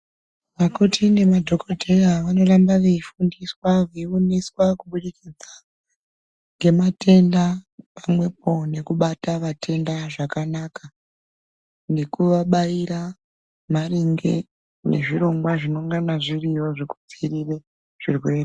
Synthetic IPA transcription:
ʋakutʰine̞madʱo̞ko̞dʱe̞jaʋano̞rambaʋeifundiswaʋeioniswakuɓuɗikid͡za | ŋɡe̞matʰe̞ndapamwe̞po̞ne̞kuɓataʋatʰe̞ndaʐakanaka | ne̞kuʋaɓaiɾa | mariŋɡḛ | ne̞̰ʐiro̞ŋɡwaʐino̞ŋɡanaʐirijo̞ʐiku̥d͡zirire | ʐ̥irwe̞ːre

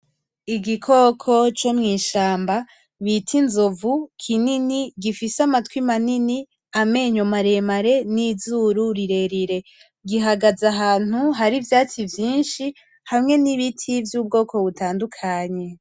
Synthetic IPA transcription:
iɡikʰo̞kʰo̞t͡ʃo̞mŋiːʃaːmba | βitʰinzovukʰininiɡifisamatkwimanini | ame̞ɲo̞maɾe̞maɾe̞nizuɾuɾiɾe̞ɾiɾe̞ | ɡiɦaɡazaɦaːn̥uɦaɾivjaːt͡sivjiːnʃi | hamŋe̞niβitʰivjuːbɡo̞ːkʰo̞βutʰaːndukʰaɲe̞

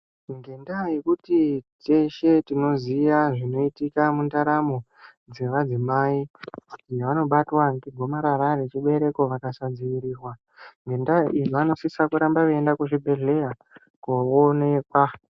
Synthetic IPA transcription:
ŋɡe̞ndajekutit͡ʃeʃe̞tino̞zijaʐino̞itikamundaɾamo̞ | d͡ze̞ʋad͡zimaikuiʋano̞ɓatwaŋkiɡʱo̞maɾaɾaret͡ʃiɓe̞ɾe̞ko̞ʋakasad͡ziiɾiːrwa | ŋɡe̞ndaijoano̞sisakuɾambakuendakuʐibʱe̞ɮe̞ja | kuone̞ːkwa

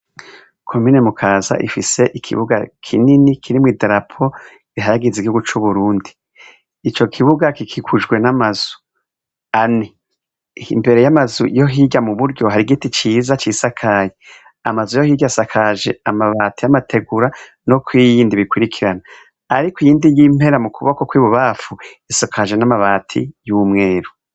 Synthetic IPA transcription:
kʰo̞mine̞mukʰaːza̰ʔḭfise̞ʔikʰḭβuɡa̰kʰininikʰiɾimwideɾapʰo | iɦaɾaɡiziɡihuɡut͡ʃuβuɾuːndiː | t͡ʃo̞kʰiβuɡakikʰikʰuʒɡwe̞namaz̥u̥ | ani | imbe̞ɾe̞jamazujo̞ɦiːɟamuβuɾɟo̞haɾiɡitit͡ʃiːzat͡ʃiːsakʰaje | a̰mazujohiːɟasakʰaʒe̞amaβaːtijamatʰe̞ɡuɾa | no̞kwijiːndiβikuɾikʰiɾana | aɾikijiːndijim̥he̞ɾamukʰuβakokwiːβuβafuisokʰaʒe̞namaβaːtʰḭjumŋe̞ːɾu

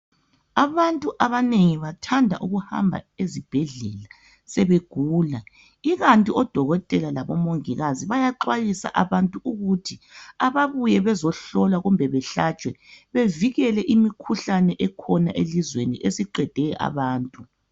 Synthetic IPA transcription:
aβantʼuʔaβaneŋiβatʰandʱa̰ʔuɣuha̰mbʱa̰ezib̥ʱɛɮɛ̰la | sɛβeɡ̥ʱuːla | iɣantʼiɔd̥ʱɔɣɔtʼɛlalaβɔmoŋiɣaziβajaǃwajisa̰ʔaβantʼuuɣutʰiaβaβujɛβɛzɔɬɔlwaɣumbʱɛβɛɬat͡ʃʼwɛβeviɣɛlɛʔimikʰuɬanɛʔɛkʰɔna̰ʔelizwenḭʔesiǃɛd̥ʱɛʔa̰βaːntʼu

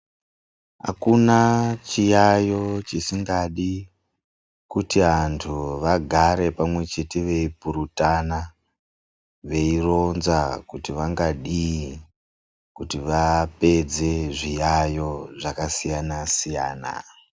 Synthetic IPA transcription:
ɦa̰kunat͡ʃijajo̞t͡ʃisiŋɡaɗi | kutiʋantʰuʋaɡʱaɾe̞pamwe̞t͡ʃe̞teʋe̞ipuɾutana | ʋe̞iro̞nzakutiʋaŋɡaɗi | kutiʋape̞d͡ze̞ʐijajo̞ʐakasijanasija̰ːna̰

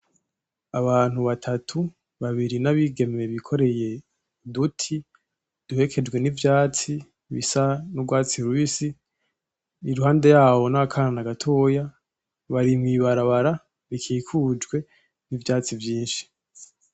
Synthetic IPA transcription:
aβaːn̥huβatʰatʰu | βaβiɾinaβiɡe̞me̞βikʰo̞ɾe̞je̞ | dutʰi | d̥uhe̞kʰe̞d͡ʒɡwe̞nivjaːt͡si | βḭsanubɡwaːt͡siɾuβisi | iɾuhaːnde̞jaːβo̞nakʰananaɡatʰo̞ːja | βaɾimŋiːβaɾaβaɾa | βikʰiːkʰud͡ʒɡwe̞ | nivjaːt͡sivjiːnʃi̥

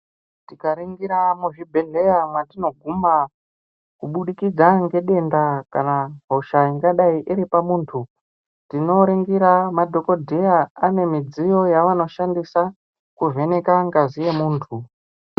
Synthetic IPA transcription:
tikaɾiŋɡiɾamuʐibʱe̞ɮe̞jamwatino̞ɡʱuma | kuɓuɗikid͡zaŋɡe̞ɗe̞ndakanaɦoʃaiŋɡaɗaiʔiɾipamuːntʰu | tino̞ɾiŋɡiɾamadʱo̞ko̞dʱejaane̞mid͡zijo̞jaʋano̞ʃandisa | kuve̞ne̞kaŋɡazije̞muːntʰu

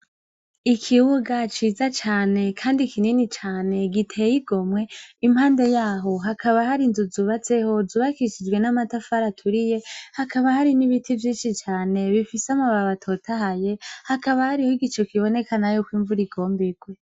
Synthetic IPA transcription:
ikʰiwuɡat͡ʃiːzat͡ʃaːne̞kʰaːndikʰininit͡ʃaːne̞ɡitʰe̞jiɡo̞mwe̞imhaːnde̞jaːɦo̞ɦakʰaβahaɾinzuzuβat͡se̞ho̞zuːβakiʃid͡ʒɡwe̞namatafaɾatʰuɾije̞hakaβahaɾiniβitʰivjiːnʃit͡ʃaːne̞βifiseamaβaβatʰo̞tʰaɦaje̞hakaβahaɾihoiɡit͡ʃo̞kiβo̞ne̞kanajokwiːɱvuɾiɡo̞ːmbiɡwe

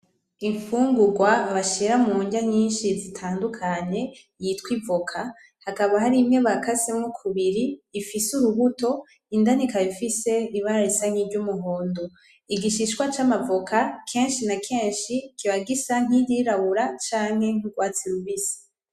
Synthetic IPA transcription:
iɱfuːŋɡuɡwaːβaʃiɾamuːɲɟaɲiːnʃizitʰaːndukʰaɲe̞ | jiːtkwivokʰa | hakaβahaɾimŋe̞βakʰasemŋokʰuβiɾiːfisuɾuβuto̞ | indanikaβifise̞iβaɾaɾisaŋ̥hivɟumuɦoːndo | iɡiʃiʃwat͡ʃamavokʰakʰe̞ːnʃinakʰe̞ːnʃikʰiβaɡisaŋ̥ijiɾaβuɾat͡ʃaːŋ̥he̞ŋ̥uɡwaːt͡siɾuvisi̥

